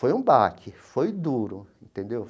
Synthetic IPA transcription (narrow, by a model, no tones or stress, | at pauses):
ojũbakɪfojd̪uɾʊẽnt̪ẽnd̪ew